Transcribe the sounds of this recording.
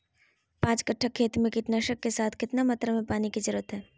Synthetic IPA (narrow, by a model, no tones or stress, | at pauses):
pãːt͡ʃkəʈʰːəkʰːeːt̪mẽkɪʈnaːʃəkːesaːt̪ʰkɪt̪namat̪ɾəmẽpaːnikid͡ʒɐɾuət̪ɦɛː